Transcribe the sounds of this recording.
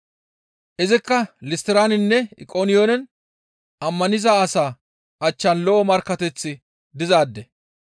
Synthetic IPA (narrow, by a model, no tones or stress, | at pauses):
ʔɪzɪkːɐlɪst̪ɪɾaːnɪnːɛɪ̰kʼoːnɪjoːnɛn | ɐmːɐnɪzaːɐsaː | ɐt͡ʃːɐnlɔʔɔmɐɾkːɐt̪ɛt͡sːɪ | d̪ɪzaːd̪ːɛ